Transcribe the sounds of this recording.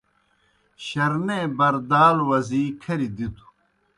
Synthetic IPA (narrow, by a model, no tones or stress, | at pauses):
ɕɐɾnebɐɾd̪aːlwɐzikʰɐɾid̪it̪u̥